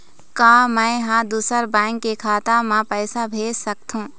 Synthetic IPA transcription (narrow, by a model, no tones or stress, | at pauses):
kaːmə̃ɪɦãd̪uːsəɾbɛ̃ːŋkːekʰaːt̪amãpəːsabʱeːd͡ʒsək̚t̪ɦũː